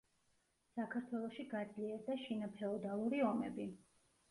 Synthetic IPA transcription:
sakʰaɾt̪ʰwɛlˠɔʃiɡad̪zliɛɾd̪aʃinapʰɛɔd̪alˠuɾiɔmɛ̰bi

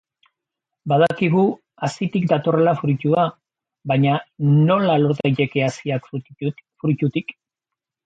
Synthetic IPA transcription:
baðakiɣ̞u | asit̪ikd̪at̪o̞re̞lafɾucua | βaɲano̞lalo̞ɾt̪ajt̪e̞ke̞asiak | fɾucut̪ik

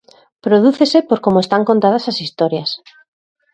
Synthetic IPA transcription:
pɾoð̞uθesepoɾkomoest̪aŋkont̪aðasasist̪oɾjas

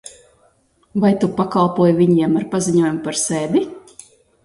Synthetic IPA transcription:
vajt̪upakalˠpuɔjvʲiɲiɛmaɾpaziɲuɔjumpaɾsɛːd̪i

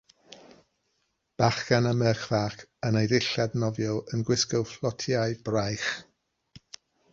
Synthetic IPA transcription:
b̥aχɡ̥anəməχv̥aːkənejdɪɬadnɔvjɔlˠənɡwɪskɔwflˠɔtʰiaɨbrajχ

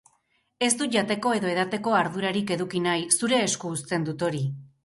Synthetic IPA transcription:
e̞sd̪uʝat̪e̞ko̞e̞ðo̞e̞ðat̪e̞ko̞aɾðuɾaɾike̞ðukinajsuɾe̞ːskuːst̪e̞nd̪ut̪o̞ɾi

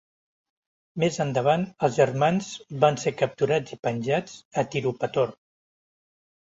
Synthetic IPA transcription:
mezənd̪əβanəlˠzʒərmanzbansekəp̚t̪uɾad͡zipənʲʒad͡zət̪iɾupət̪or

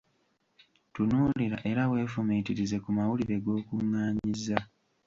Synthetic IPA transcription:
tunuːliɾaʔe̞ɾawe̞ːfumiːtiɾize̞kumawuliɾe̞ɡo̞ːkuŋːaːɲiza

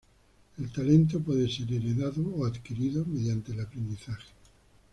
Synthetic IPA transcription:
e̞lt̪ale̞nt̪̬opwe̞ðese̞ɾeɾeðaðooaðkiɾiðomeðjant̪elapɾend̪iθaxe̥

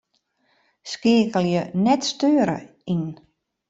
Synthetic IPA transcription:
skeːkəlˠjənɛtstøːɾə̰ | in

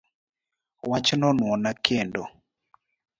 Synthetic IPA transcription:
wat͡ʃnɔnwɔnakʰendo

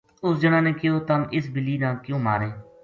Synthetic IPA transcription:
ʊsd͡ʒənãːnẽːkɪjoːt̪əmʔɪsbɪlːiːnãːkjõːma̰ːɾeː

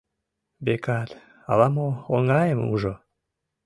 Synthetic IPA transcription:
bekɑt̪ | ɑ̰lɑmooŋɑjəmṵʒo

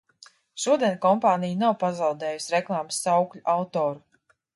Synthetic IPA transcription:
ʃuɔd̪ʲiɛnʲkɔmpaːnijnawpazawd̪eːjusʲɾeklˠaːmsːawklʲuʔawt̪ɔːɾu

